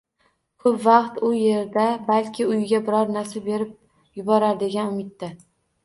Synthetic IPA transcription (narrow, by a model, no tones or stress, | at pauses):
kʰʊpvɑqt̪ʊje̞ɾd̪abalkʲʰɪʊjɪɡʲabɪɾɒɾnaɾsɪbe̞ɾɪp̚ | jʊbɒɾaɾd̪e̞ɡʲanʊmɪt̪ːa